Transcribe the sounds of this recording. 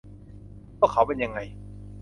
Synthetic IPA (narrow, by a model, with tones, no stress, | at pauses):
bɔː˥˩kʰa˨˦wpe˧nja˧ŋːa˧j